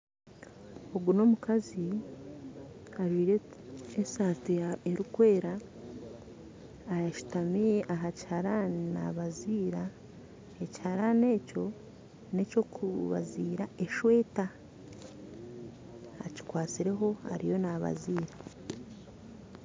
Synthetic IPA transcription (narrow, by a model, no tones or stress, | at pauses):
o̞ɡuno̞mukazi | aʒwiːɾeesaːtieɾukwe̞ːɾa | jaʃu̥tamijeʔaɦacihaɾana̰βaziːɾa | ecihaɾane̞ːco̞ | ne̞co̞kuβa̰ziːɾae̞ʃwe̞ːta | ci̥kwaːt͡siɾe̞ɦo̞a̰ɾḭjo̞naβa̰ziːɾa